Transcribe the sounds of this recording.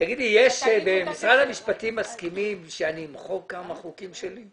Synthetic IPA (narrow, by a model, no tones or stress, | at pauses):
taɡid̪lijeʃbemisʁad̪hamiʃpat̪imːaskimimʃeaniːmχoɡ̚kamaχukimʃeli